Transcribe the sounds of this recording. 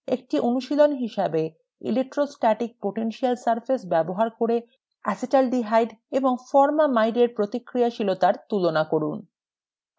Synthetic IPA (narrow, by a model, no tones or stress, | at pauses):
ek̚ʈiʔonuʃilonɦiʃabe | ḭlek̚ʈːɾosʈaʈik̚poʈenʃialsaɾfʰesbɛboɦaɾkoɾe | ɛsiʈalɖiɦajɖeboŋfɔɾmamajɖeɾpɾot̪ikːɾijaʃilot̪aɾt̪ulonakoɾun